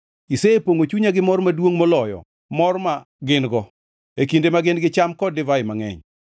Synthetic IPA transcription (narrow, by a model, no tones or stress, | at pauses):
iseepoŋot͡ʃuɲaɡɪmɔɾmadwoŋmolɔjɔ̰ | mɔrma | ɡɪnɡɔ | ekindemaɡɪnɡɪt͡ʃamkɔdɪvaɪmaŋɛ̰ɲ